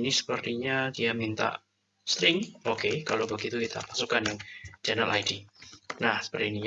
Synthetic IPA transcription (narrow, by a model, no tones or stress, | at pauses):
nisə̥pərt̪iɲadiamint̪a̰ʔ | st̪ɾɪŋokekalobəɡit̪ukit̪a̰pasukaniŋd͡ʒanəlʔa̰jdinahsə̥pərt̪iniɲ